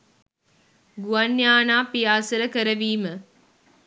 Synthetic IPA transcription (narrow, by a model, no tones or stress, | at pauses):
ɡuɐnjaːnaːpijaːsəɾəkəɾəʋiːmə